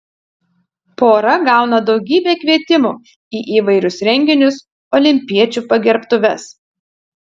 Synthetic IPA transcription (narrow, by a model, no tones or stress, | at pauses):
poːɾɐɡɑˑʊnɐd̪ɒʊɡʲiːbʲeːkʲʋʲiɛt̪ʲɪmuː | iːʔiːʋɐɪɾʲʊsɾʲɛŋʲɡʲɪnʲʊs | ɔːlʲɪmʲpʲiɛt͡ʃʲuːpɐɡʲɛɾpt̪ʊʋʲɛs